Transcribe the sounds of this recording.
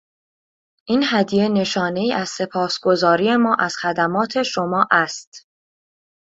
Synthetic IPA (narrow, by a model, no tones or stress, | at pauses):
ʔiːnhæd̪ije̞ne̞ʃɒːne̞iːʔæz̥se̞pʰɒːsɡ̥o̞zɒːɾije̞mɒːʔæz̥xæd̪æmɒːt̪ʰe̞ʃo̞mɒːʔæst̪